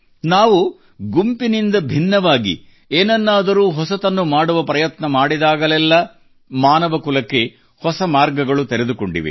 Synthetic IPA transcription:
naːʋu | ɡumpinind̪ɐbʱinːɐʋaːɡḭ | eːnɐnːaːd̪ɐɾuːɦɔsɐt̪ɐnːumaːɽuʋɐpɾɐjɐt̪nɐmaːɽid̪aːɡɐlɛlːɐ | maːnɐʋɐkulɐkːe̞ | hɔsɐmaːɾɡɐɡɐɭut̪eɾed̪ukoɳɖḭʋḭ

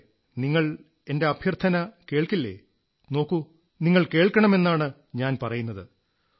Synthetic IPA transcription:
niŋːɐɭ | e̞nde̞ɐbʱjɐrt̪ʰɐnɐke̞ːɭkilːḛː | no̞ːkːu | niŋːɐɭke̞ːɭkːɐɳɐme̞nːaːɳɨ | ɲaːnpɐrɐjunːɐðɨ

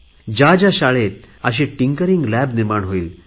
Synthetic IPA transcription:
d͡ʑad͡ʑjaɕaɭet̪̚ | əɕ̬ẽʈiŋkəɾiŋɡlæbniɾmaɳɦoiːl

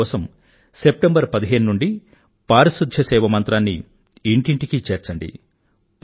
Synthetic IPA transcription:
ɔːsɐm | se̞p̚ʈembɐɾpɐd̪iɦe̞ːnunuɳɖi | paːɾɐsud̪ʱjɐsɛːʋɐmɐnt̪ɾaːnːiː | ɳʈiɳʈikit͡ʃeːɾt͡ʃɐɳɖḭ | p

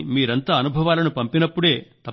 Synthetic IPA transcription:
miːɾɐnt̪aːɐnubʱɐʋaːlɐnupɐmpinɐpːuɽe̞ːt̪ɐ

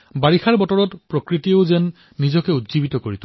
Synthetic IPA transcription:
baɹixʰaɹbɔtɔɹɔtpɹokɹitioʊzɛnː | izɔkɛudzibitɔkoɹit̪ʊ

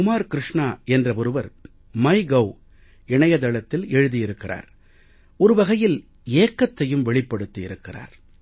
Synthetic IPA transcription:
kʊmaːɾkɪɾɪʂɳaːɛndrɐɔɾɯʋɐɾ | mɐɪɡɐw | ɪɳɐjɐðɐɭɐt̪ːɪlɛɻɯðijɪɾɯkːɪra̰ːɾ | ɔɾɯʋɐɣɐjɪl | eːkːɐt̪ːɐjɯmʋɛɭɪpːɐɽɯt̪ːijɪɾɯkːɪra̰ːɾ

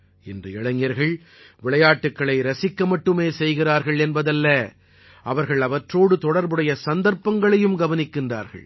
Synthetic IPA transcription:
ɪndrɐɪɭɐŋɪjɐɾɣɐɭ | ʋɪɭɐjaːʈːɯkːɐɭɐɪɾɐsɪkːɐmɐʈːɯmeːsɛjɣɪraːɾɣɐɭɛnbɐðɐlːɐ | ʔɐʋɐɾɣɐɭɐʋɐʈroːɽɯt̪ɔɽɐɾbɯɽɐjɐsɐnd̪ɐɾpːɐŋɡɐɭɐjɯmɡɐʋɐnɪkːɪndra̰ːɾɣɐ̰ɭ

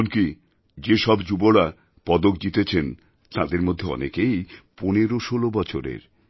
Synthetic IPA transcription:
nki | d͡ʑeʃɔbd͡ʑuboɽa | pɔd̪ok̚d͡ʑit̪et͡ɕʰen | t̪ad̪eɾmod̪ʱːeɔ̰nekejponeɾoʃolobɔt͡ɕʰoɾḛɾ

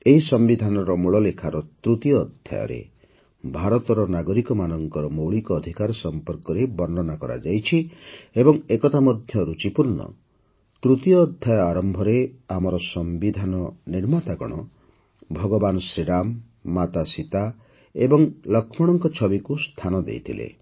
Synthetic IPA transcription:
eɦisɔmbid̪ʱanɔɾɔmuɭɔlekʰaɾɔt̪ɾut̪ijɔːd̪ʱja̰jɔ̰ɾḛ | bʱaɾɔt̪ɔɾɔnaɡɔɾikɔmanɔŋkɔɾɔmowɭikɔːd̪ʱikaɾɔsɔmpɔɾkɔɾebɔɾnɔnakɔɾa̰d͡ʒajt͡ʃʰiebɔŋekɔt̪amɔd̪ʱjɔɾut͡ʃipuɾnɔ̰ | t̪ɾut̪jɔːd̪ʱjajɔaɾɔmbʱɔɾeamɔɾɔsɔmbid̪ʱanɔniɾmat̪aɡɔɽ̃ɔ | bʱɔɡɔbanɔsɾiɽamː | at̪asit̪a | ebɔŋlɔkʰmɔɽ̃ɔŋkɔt͡ʃʰɔbikust̪ʰanɔd̪ḛjt̪ʰilḛ

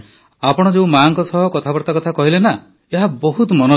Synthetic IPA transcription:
apɔɽ̃ɔd͡ʒeũmaːŋkɔsɔɦɔkɔt̪ʰabɔɾt̪akɔt̪ʰakɔɦilena | eɦabɔɦut̪mɔnɔ

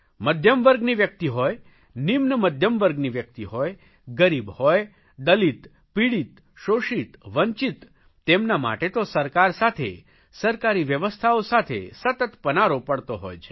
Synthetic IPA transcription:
məd̪ʱjəmʋəɾɡniʋjək̚t̪iɦɔj | nimnəməd̪ʱjəmʋəɾɡniʋjək̚t̪iɦɔj | ɡəɾibhɔj | d̪əlit̪ | piɽit̪ | ʃoʃit̪ʋəɲt͡ʃit̪ː | emnama̰ʈet̪osəɾkaɾsat̪ʰḛ | səɾkaɾiʋjəʋəst̪ʰaosat̪ʰḛsət̪ət̪pənaɾopəɽt̪oɦɔ̰jt͡ʃʰe

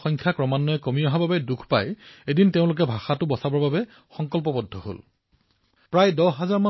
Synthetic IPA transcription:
xɔjŋkʰjakɹɔmanːɔɛkomiɔɦababɛdukʰpa̰jedinteʊ̃lʊk̬ɛbʱaxatʊbɔsabɔɹbabɛ | xɔŋkɔlp̬ɔbɔdʱːɔɦo̰l | pɹajdɔɦazaɹma

